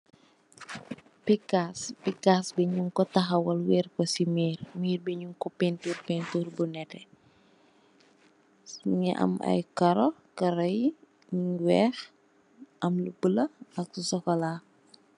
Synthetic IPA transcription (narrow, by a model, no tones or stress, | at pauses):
pikːaspikːasbɛɲuŋkɔtɐxɐwɐlwɛːrkɔsimiːrmiːrbɛɲuŋkɔpɛnturpɛnturbunɛtɛ | ŋɛʔɐ̰mɐ̰jkɐɾɔkɐɾɐj | wɛːx | ɐmlubəlɐɐksusɔkɔlaː